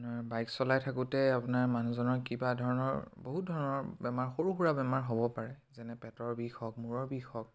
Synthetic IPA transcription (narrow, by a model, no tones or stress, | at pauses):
naɹbajksɔlajtʰakutɛapunaɹmanuzɔnɔɹkibadʱɔɹɔnɔ̰ɹboɦut̚dʱɔɹɔnɔɹbɛmaɹxoɹuxuɹabɛmaɹɦobɔpaɹɛzɛnɛpɛtɔɹbixɔk̚muɹɔɹbixɔk̚